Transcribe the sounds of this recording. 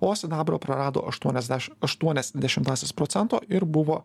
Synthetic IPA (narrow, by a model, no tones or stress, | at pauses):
oːsʲɪd̪ɑːbɾoːpɾɐɾɑːd̪o̰ʔɐʃt̪uɔnʲɛzd̪ʲæɐʃt̪uɔnʲɛsd̪ʲɛʃʲɪmt̪ɑːsʲeːspɾoːt̪sʲɛnt̪o̰ːɪɾbʊʋoː